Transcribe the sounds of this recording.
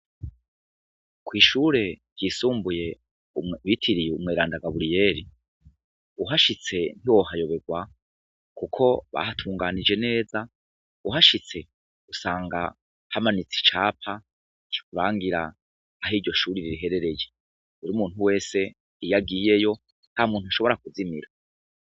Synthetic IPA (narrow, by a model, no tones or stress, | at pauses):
kwiːʃuɾe̞̥ | jisuːmbuje̞ | βitʰiɾijumŋeːɾaːndaɡaβuɾije̞ːɾi | uɦaʃit͡se̞n̥hiwo̞ɦajo̞βe̞ɡwa | kukʰo̞βa̰hatʰuːŋɡaːnid͡ʒe̞ne̞ːza | uɦaʃit͡se̞ | usaːŋɡa | hamanit͡si̥t͡ʃaːpʰa | ki̥kuɾaːŋɡiɾa̰ː | ɦiɾɟo̞ʃuːɾiɾiɾiɦe̞ɾe̞ɾe̞je | eɾumuːn̥huwe̞ːse̞ | ijaɡiːje̞jo̞ | nhamuːn̥uaʃo̞βo̞ɾakuzimiɾa